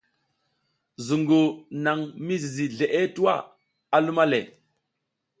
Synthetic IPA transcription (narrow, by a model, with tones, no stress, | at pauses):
zu˨ŋɡo˨na˨ŋmi˦zi˨zi˨ɮe˨ʔe˦tu˦wa̰˦˨ | a˨lu˦ma˦le˨